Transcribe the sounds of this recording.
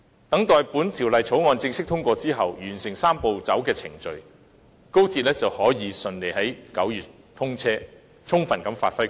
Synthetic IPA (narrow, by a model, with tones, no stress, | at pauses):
t̪ɐ˨˥ŋt̪ɔː˨jpuː˨˥nt̪ʰi˨˩wlɐ˨jt͡sʰo˨˥wŋɔː˧nt͡sɪ˧ŋsɪ˥k̚t̪ʰʊ˥ŋkʷɔː˧t͡siː˥ɦɐ˨wjyː˨˩nsɪ˨˩ŋsaː˥mpo˨˧wt͡sɐ˨˥wkɛː˧t͡sʰɪ̰˨˩ŋt͡ʃɵ˨ɥ | ko˥wt͡siː˧t̚lɛː˥t͡sɐ˨whɔː˨˥jiː˨˧sɵ˨nle˨jɦɐ˨˥jkɐ˨˥wjyː˨˩t̚ | t̪ʰʊ˥ŋt͡sʰɛː˥ | t͡sʰʊ˥ŋfɐ˨˩nkɐ˨˥mfa̰ː˧t̚fɐ˥j